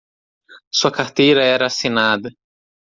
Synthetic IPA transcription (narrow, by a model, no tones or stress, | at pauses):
suɐkaɾt̪ejɾɐɛɾɐːsinad̪ɐ